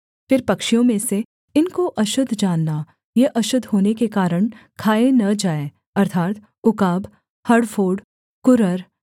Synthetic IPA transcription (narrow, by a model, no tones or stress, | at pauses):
fɪɾpɐkʃijõmẽse | ɪnkoʔɐʃʊd̪ʱd͡ʒaːnːa | jeʔɐʃʊd̪ʱɦoːnekekaːɾəɳ̃kʰaːenɐd͡ʒaːe | ɐɾt̪ʰaːt̪ | ʊkaːbʱ | hɐɖfʰoːɖ | kʊɾəɾ